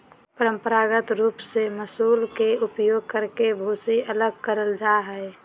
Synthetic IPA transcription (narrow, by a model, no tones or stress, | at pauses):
pəɾə̃mpəɾaːɡət̪ɾuːpseməsuːlkeʊpjoːɡ̚kəɾkebʱuːsiələɡkəɾəld͡ʒaɦɛɛ